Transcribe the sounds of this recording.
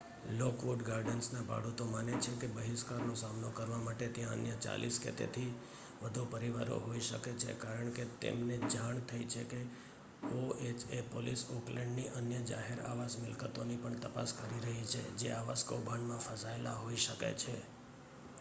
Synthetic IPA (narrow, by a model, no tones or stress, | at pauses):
lokʋoʈɡaɾɖənsnaba̰ɽut̪omanet͡ʃʰekebəɦɪskaɾnosamnokəɾʋamaʈet̪jãə̰njət͡ʃa̰lʔḭskḛt̪ḛt̪ʰi | ʋəd̪ʱupəɾiʋaɾo̰ɦoiʃəket͡ʃʰḛkaɾəɳket̪ḛmned͡ʒaɳt̪ʰəit͡ʃʰeke | oet͡ʃepolisoklẽɳɖniʔənjəd͡ʒa̰ɦeɾa̰ʋasmɪlkət̪onipəɳt̪əpa̰skəɾiɾəɦit͡ʃʰḛd͡ʒeaʋaskobʱanmãfəsaela̰ɦoiʃəka̰t͡ʃʰe